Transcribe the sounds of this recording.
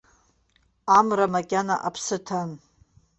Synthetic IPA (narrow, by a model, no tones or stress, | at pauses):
amramakʲʼana̰ʔapʰsɨtʰan